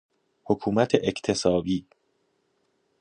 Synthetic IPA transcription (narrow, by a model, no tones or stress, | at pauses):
hokʰuːmæt̪ʰeʔecʰt̪ʰe̞sɒːbiː